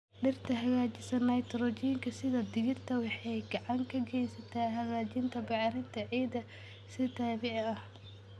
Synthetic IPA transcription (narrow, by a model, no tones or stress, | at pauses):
ɖɪrt̪ʰɐɦɐɣaːt͡ʃɪsɐnɐjt̪ʰɾɔt͡ʃɪŋkʰɐsɪðɐd̪ɪɣɪrt̪ʰɐwɑħɛjɡɐʕɑŋkʰɐɡɛjsɐt̪ʰaːɦɐɣaːt͡ʃɪnt̪ʰɐbɑʕɾɪnt̪ʰɐʕiːd̪ɐ | sɪt̪ʰaːβɛʕɐh